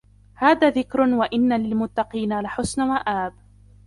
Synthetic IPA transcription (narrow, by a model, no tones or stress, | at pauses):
haːðaːðɪkɾʊwaʔɪnːalɪlmʊt̪ːɑqiːnalaħʊsnawaʔaːb